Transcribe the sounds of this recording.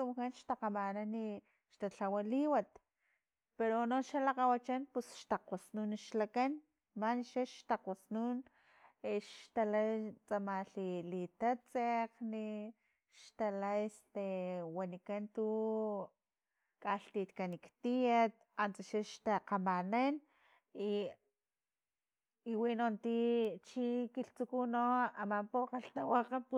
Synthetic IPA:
umkanʃt̪aqamanani | ʃt̪at͡ɬawaliwat̪ | peɾonoʃalaqawat͡ʃanpusʃt̪aqwasnunʃlakan | maniʃaʃt̪aqasnun | eʃt̪alajt͡samaɬilit̪at͡seqni | ʃt̪alaest̪ewanikant̪u | kʼaɬt̪it̪kanikt̪ijat̪̚ | ant͡saʃaʃt̪aqamanan | i | iwinont̪it͡ʃikiɬt͡sukunoamampoqaɬt̪awaqapu

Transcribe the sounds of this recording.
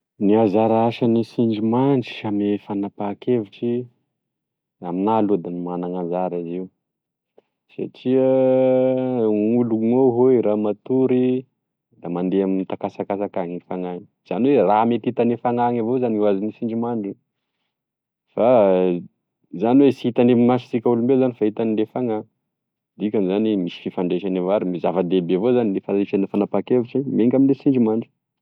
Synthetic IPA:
niazaɾaaʃanisiɳd͡ʒimaɳɖ͡ʐi̥amefanapakevuʈ͡ʂi | aminalud̪animanaŋazaɾiziw | sa̰ʈ͡ʂia | uluŋoɦoiɾamat̪uɾi | d̪amand̪eamint̪akasakasakaŋiifaŋaŋi̥ | z̥anweramet̪it̪anefaŋaŋavozanuwazinisiɳd͡ʒimaɳɖ͡ʐi | fa | zaniwesit̪anemimaʃi̥sikʲaulumbezanifait̪anilefaŋa | d̪ikʲanzanimisi̥fifaɳɖ͡ʐeʃanevoaɾimizavad̪ebevozanilefaiʃanafanapakevuʈ͡ʂimeŋkʲaminlesiɳɖ͡ʐimaɳɖ͡ʐu̥

